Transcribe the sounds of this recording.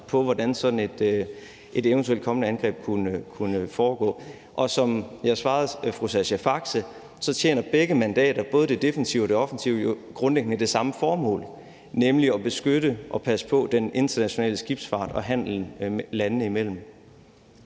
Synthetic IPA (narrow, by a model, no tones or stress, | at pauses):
pʰɒ̽ʋɒd̥ænsɒ̽d̥n̩e̝d̥ | ʔe̝d̥eʊnt͡sʰuel̰d̥̚kʰɒ̽mənəænɡ̥ʁɛ̰ːb̥̚kʰunəkʰunəfɒːɡ̥ɔ̰ː | ʔɒ̽sɒ̽mjɑ̈sʋɑ̈ːð̞̩ˠfʁusæɕæfɑ̈ɡ̥sə | sɒ̽t͡ɕʰjḛːnɐb̥eɡ̥əmænd̥ɛ̰ːɾ̥ɐb̥ɔ̽ːð̞ˠəd̥e̝d̥e̝fənsiʊɒd̥e̝ɒ̽fn̩siʊoɡ̥ʁɔ̽nleɡ̥ənəd̥e̝sɑ̈məfɒːmɔ̰̽ːl | nemliɒ̽b̥e̝sɡ̥øɾəʔɒ̽pʰæsə̥pʰɒ̽d̥enʔe̝nd̥ɐnæɕo̝nɛ̰ːləsɡ̥ib̥sfɑ̰̈ːd̥ɒ̽ɦæn̰l̩lænnəimel̰m̩